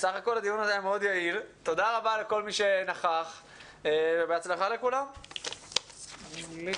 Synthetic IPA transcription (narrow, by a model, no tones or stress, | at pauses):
saχako̞lhad̪ijunazejmeo̞d̪jailt̪o̞d̪aʁabaleko̞lmiʃe̞naχaχ | vebeat͡slaχalekulam